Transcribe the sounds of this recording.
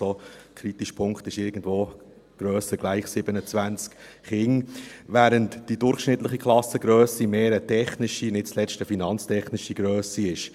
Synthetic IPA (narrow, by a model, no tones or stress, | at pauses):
okʰɾitiʃpʰʊŋktɪʃɪɾɡən̩dvoː | ɡ̥ɾœːsəɡ̥laɪχsɪb̥ənət͡svʋænt͡sk | χɪŋvæːɾəntd̥idʊɾχʃnɪtləχikʰχlˠɑsəɡɾœːsimeːɾətʰɛχnɪʃinɪt̚t͡slɛt͡stəfinɑnt͡stʰɛχnɪʃiɡɾøːsiɪʃ